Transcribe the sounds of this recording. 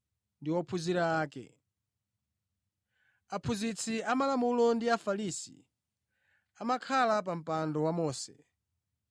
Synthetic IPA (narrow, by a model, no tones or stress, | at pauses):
ndiwɔpʰuziɾaːkɛ̰ | apʰuzit͡sʰiamalamulɔndiafalisḭ | amakʰalap̬am̩pandɔwamɔːsɛ